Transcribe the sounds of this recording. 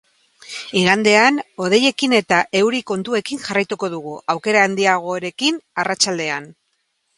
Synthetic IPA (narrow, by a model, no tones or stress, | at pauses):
iɾand̪e̞ano̞ð̞e̞je̞kine̞t̪aʔe̞wɾiko̞nt̪ue̞kiŋʝarajt̪uko̞ðuɣ̞uʔawke̞ɾaːnd̪iaɣ̞o̞ɾe̞kinarat͡ʃald̪e̞an